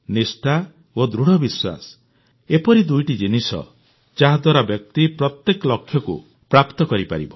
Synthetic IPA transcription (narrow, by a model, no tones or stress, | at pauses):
nisʈa | od̪ɾuɽ̤ɔbiswa̰s | epɔɾid̪ujʈid͡ʒinisɔ̰ | d͡ʒaɦad̪waɾabjɔk̚t̪ipɾɔt̪jekɔlɔkʰːjɔkṵ | pɾapt̪ɔkɔɾipa̰ɾḭbɔ